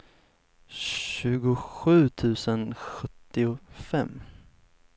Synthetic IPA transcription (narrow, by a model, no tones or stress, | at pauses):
ʉ̟ːɡʊɧʉ̟ːt̪ʰʉ̟ːsənɧɵt̪ːɪʊfɛmː